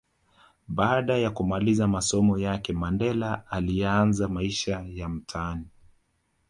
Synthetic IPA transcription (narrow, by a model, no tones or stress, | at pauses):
ɓaːɗajakumalizamasɔmɔjakɛmandɛlaːlianzamaiʃajam̩tʰaani